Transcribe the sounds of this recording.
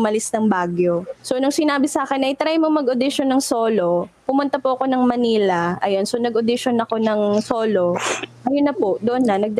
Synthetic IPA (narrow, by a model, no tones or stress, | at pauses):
mɐlɪsnɐŋbaːɡjosonʊŋsɪnaːbɪsaːkɛnʔɐjt̪ɾajmoŋmɐɡod̪ɪʃonːɐŋsoːlo̞pʊmʊnt̪ɐpʊʔɐko̞nɐŋmɐniːlɐɐjo̞nsonɐɡod̪ɪʃonɐko̞nɐŋso̞ːlo̞ʔɐjonːɐpoʔd̪oʔonːɐnɐɡ̚d̪